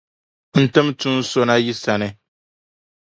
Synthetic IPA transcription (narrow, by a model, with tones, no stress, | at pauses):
n̩˦˨tɨ˦mtu˦n˦so˦na˦ji˦sa˨nɨ˨